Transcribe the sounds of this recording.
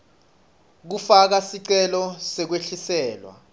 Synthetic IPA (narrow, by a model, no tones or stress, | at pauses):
k̬ufak̬asiǀɛlɔsɛk̬weɬisɛːlwa̰